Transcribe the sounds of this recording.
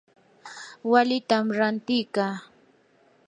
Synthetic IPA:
walɪt̪amɾant̪ɪjkaː

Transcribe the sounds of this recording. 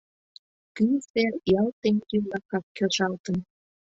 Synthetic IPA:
kysejɑlt̪eŋk̪imlɑkɑkkøʃɑlt̪ən

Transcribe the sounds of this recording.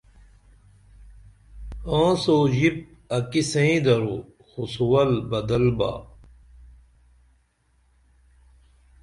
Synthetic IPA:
ãːsoːʑip̚ | ɐkisẽĩd̪ɐɾo̰ | xusuwɐlbɐd̪ɐlba̰ː

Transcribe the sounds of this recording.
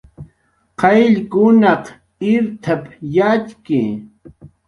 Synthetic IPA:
qʰɑjʎkʊnɑq | ɪɾt̪ʰapjat͡ʃkɪ̰

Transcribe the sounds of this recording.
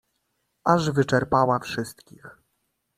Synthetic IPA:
aʐvɘt͡ʂɛɾpawafʂɘst̪kʲix

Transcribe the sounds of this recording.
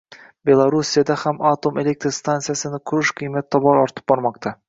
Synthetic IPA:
bʲe̞lˠaɾusʲijad̪ahamat̪o̞me̞lʲek̚t̪ɾst̪ant̪sɨjasɨnɪkʲʰʊɾɪʃqʰɨjmat̪ʰːɒbɑɾɒɾt̪ɨ̥p̚bɒɾmɑqt̪ɑ

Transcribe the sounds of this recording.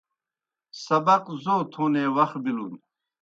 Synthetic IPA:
sɐbɐqzoːt̪ʰuːneːwɐxbilun

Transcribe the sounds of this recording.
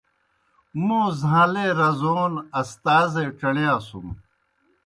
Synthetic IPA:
mũːzʱãːleːɾɐzoːnɐst̪aːzeʈ͡ʂɐnjaːsṵm

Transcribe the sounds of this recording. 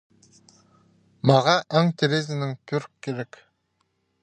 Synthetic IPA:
mɑʁɑʔɑŋt̪ʰeɾezɪnɪŋt̪ʰɵɾkʰːeɾek

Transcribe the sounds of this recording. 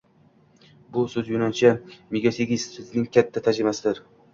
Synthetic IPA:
bʊsɵzjʊnant͡ʃʰameɡʲaseɡʲissʊznɪŋkʲʰat̪ʰːat̪ʰad͡ʒɾɪmasɪd̪ɪɾ

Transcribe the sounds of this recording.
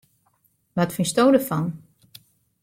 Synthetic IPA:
ʋɔtfinstoːwdəfɔn

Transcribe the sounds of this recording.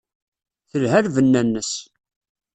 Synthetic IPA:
θəlɦæɾvənːænːəs

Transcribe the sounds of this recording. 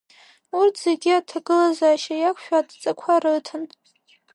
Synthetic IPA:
urtʰz̥eɡʲiatʰaɡɨlazaːʃajakʷʰʃᶣadʼt͡sʼakʷʰaɾɨtʰɨn

